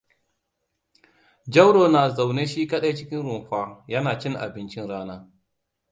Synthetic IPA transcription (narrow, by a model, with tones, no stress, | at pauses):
d͡ʒɐ˦wɽoː˨naː˨za˨wneː˦ʃiː˦kɐ˦ɗa˦jt͡ʃɪ˦kʲɪ˦nɾʊ˨ŋɸʷaː˦jɐ˦naː˨t͡ʃɪ˦ŋʔa̰˨bɪ˦nt͡ʃɪ˦nɽaː˦naː˦